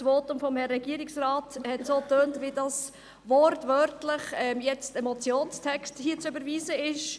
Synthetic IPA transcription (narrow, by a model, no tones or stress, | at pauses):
sʋoːtʊmfɔmhɛrːɛɡiəɾɪksrɑːthɛtsoːtøːntʋidɑs | ʋɔɾtʋœɾtlɪχɛmjɛt͡stɛmɔt͡sjoːnstʰɛksthiːət͡sʏbəɾʋiːzəɪʃ